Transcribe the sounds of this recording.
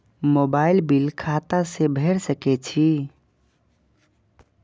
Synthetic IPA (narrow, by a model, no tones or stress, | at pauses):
mobailbilkʰat̪asebʱeɾsəkɛt͡ʃʰi